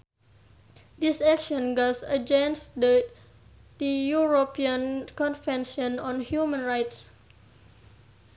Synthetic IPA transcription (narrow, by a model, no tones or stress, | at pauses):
disɛkʃɔ̃nɡɔsəd͡ʒɛ̃nsd | d̥əjuɹopiə̃nkɔ̃nfɛ̃nʃɔ̃nɔ̃nhjumə̃nɹajts